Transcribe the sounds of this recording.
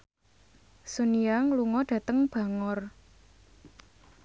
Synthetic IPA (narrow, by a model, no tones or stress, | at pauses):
suniaŋluŋɔɖ̥ä̤t̪əŋb̥ä̤ŋɔr